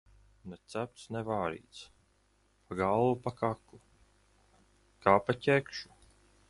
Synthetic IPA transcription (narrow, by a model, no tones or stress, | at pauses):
nɛt̪sæp̚t̪snɛvaːɾḭːt̪s | paɡalˠvupakakːu | kaːpacʲɛkʃu̥